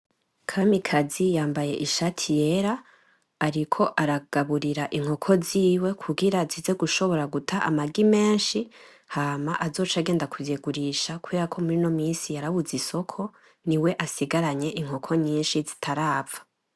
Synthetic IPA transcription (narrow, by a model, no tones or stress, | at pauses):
kʰamikʰazijaːmbaje̞ʔiʃatʰijeɾaː | ɾikʰo̞ʔaɾaɡ̥aβuɾiɾaʔiŋ̥ho̞kʰo̞ziːwe̞kʰuɡiɾazize̞ɡuʃo̞βo̞ɾaɡutʰaʔa̰maɡime̞ːnʃi | haːmaʔazo̞ːt͡ʃaɡe̞ːndakʰuvjeɡuɾiʃakueɾakʰo̞muɾino̞miːsijaɾaβuziso̞kʰo̞ | niwe̞ʔasiɡaɾaɲe̞ʔiŋho̞kʰo̞ɲiːnʃizi̥tʰaɾaːvḁ